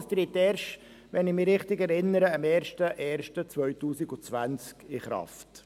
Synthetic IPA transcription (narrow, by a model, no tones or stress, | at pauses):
st̪ɾit̪ɛːɾʃ | ʋɛnɪχmɪɾɪχtɪɡɛɾɪnːəɾəɑmɛːɾʃtəʔɛːɾʃtət͡sʋœʏtuːsɪɡʊt͡sʋænt͡skɪχɾɑ̰ft